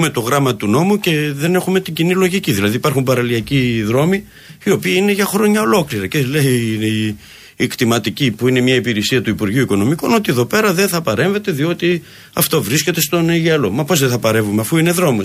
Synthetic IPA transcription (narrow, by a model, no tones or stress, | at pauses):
me̞t̪o̞ɣɾɐmɐt̪uno̞muce̞ðe̞ne̞xume̞t̪iɲɟinilo̞ʝiciðilɐðipɐɾxumbɐɾɐliɐciðɾo̞mi | io̞piɐine̞ʝɐxɾo̞ɲɐolo̞kliɾɐceleneiː | kt̪imɐt̪icipuine̞mɲɐipiɾesiɐt̪uipuɾʝiuiko̞no̞miko̞no̞t̪ie̞ðo̞pe̞ɾɐðe̞nθɐpɐɾe̞ɱve̞t̪e̞ðio̞t̪i | ɐft̪o̞vɾisce̞t̪e̞st̪o̞neʝɐlo̞mɐpo̞zðeθɐpɐɾe̞vumeɐfuine̞ðɾo̞mo